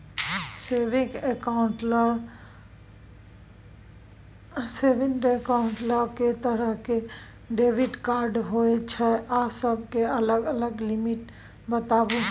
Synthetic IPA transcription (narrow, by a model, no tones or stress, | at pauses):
seːʋɪkekaʊɳʈ | seːʋɪ̃nɖekaːʊɳʈlaket̪əɾəɦke | ɖeːʋɪɖkaːɾɖɦoːet͡ʃʰɛʔaːsəb̚keɐləɡələɡlɪmɪʈ | bət̪aːʋo